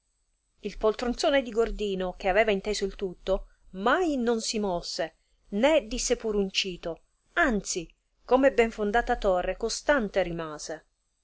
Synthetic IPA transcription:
ilpolt̪ɾont̪soːned̪iɡord̪iːnok̟eavɛːvaint̪eːzoilt̪ut̪ːo | majnonsimɔsːe | ned̪isːepuːɾunt͡ʃiːt̪o | ant̪si | komɛbːɛɱfond̪aːt̪at̪orːekost̪ant̪eɾimaːze

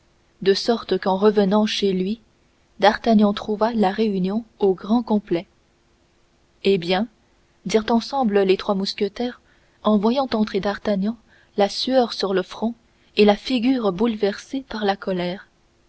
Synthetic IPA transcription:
d̪əsɔʁt̪kɑ̃ʁəvənɑ̃ʃelɥi | d̪aʁt̪aɲɑ̃t̪χuvalaʁeynjɔ̃oɡʁɑ̃kɔ̃plɛ | ebjɛ̃ | d̪iʁt̪ɑ̃sɑ̃bləlet̪χwamuskʲət̪ɛːʁ | ɑ̃vwajɑ̃t̪ɑ̃t̪χed̪aʁt̪aɲɑ̃ | lasyœʁsyʁləfχɔ̃ | elafiɡʲyːʁbulvɛʁsepaʁlakɔlɛːʁ

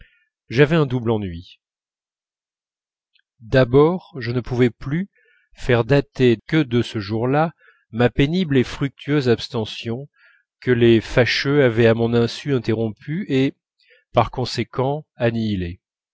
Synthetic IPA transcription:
ʒavɛɛ̃d̪ublɑ̃nɥi | d̪abɔʁʒənəpuvɛply | fɛʁd̪at̪ekəd̪əsəʒuʁla | mapeniblefχyk̚t̪ʰyøzapst̪ɑ̃sjɔ̃ | kəlefaʃøavɛamɔ̃nɛ̃syɛ̃t̪eʁɔ̃pʰye | paʁkɔ̃sekʰɑ̃anile

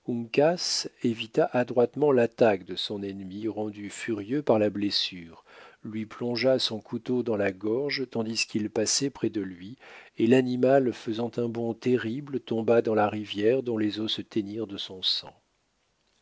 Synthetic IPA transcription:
uŋkasevit̪aʔad̪ʁwat̪mɑ̃lat̪akd̪əsɔ̃nɛnmiʁɑ̃d̪yfyʁjøpaʁlablesyːʁlɥiplɔ̃ʒasɔ̃kʰut̪od̪ɑ̃laɡɔʁʒt̪ɑ̃d̪iskʰilpasɛpχɛd̪əlɥielanimalfəzɑ̃t̪ɛ̃bɔ̃t̪eʁiblət̪ɔ̃bad̪ɑ̃laʁivjɛʁd̪ɔ̃lezosət̪ɛniʁd̪əsɔ̃sɑ̰̃

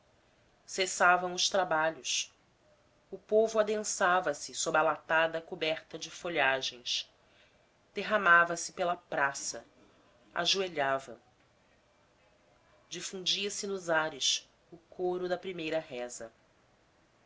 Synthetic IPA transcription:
sesavɐ̃w̃ʊʃt̪ɾabaʎʊs | ʊpovʊad̪ẽsavɐsɪsobalat̪ad̪ɐkubɛɾt̪ɐd͡ʒɪfoʎaʒẽj̃s | d̪̥eɦamavɐsɪ̥pelɐpɾasɐ | a̰ʒueʎavɐ | d͡ʒifũd͡ʒiɐsɪnʊzaɾɪs | ʊkʰoɾʊd̪ɐpɾimejɾɐɦɛzɐ

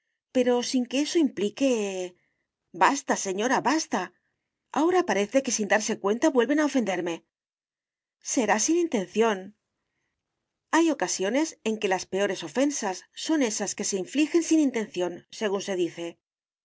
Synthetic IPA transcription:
pe̞ɾo̞siŋkeeso̞implike̞ | bast̪ase̞ɲo̞ɾaβast̪a | a̰o̞ɾapaɾe̞θe̞ke̞sind̪aɾse̞kwe̞nt̪aβwe̞lβe̞nao̞fe̞nd̪e̞ɾme̞ | se̞ɾasinint̪ẽ̞nθjo̞n | ajo̞kasjo̞ne̞se̞ŋke̞laspe̞o̞ɾe̞so̞fe̞nsasːo̞ne̞saske̞se̞iɱflixe̞nsinint̪ẽ̞n̟θjo̞nse̞ɣ̞unse̞ðiθe̞

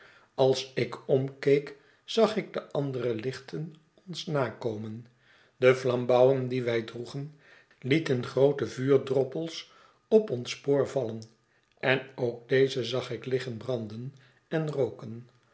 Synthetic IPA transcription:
ɑlˠsɪkɔmkejk | z̥ɑχɪɡ̚dəʔɑndərəlɪχtən | ɔnsnaːkowmən | dəflɑmbʌwəndiʋɛjdruχən | litənχrowtəvyːɹdrɔpəlˠs | ɔpɔnspoːɹvɑlən | ʔɛnowɡ̚dejzəzɑχɪklɪχənbrɑndən | ɛnrowkən

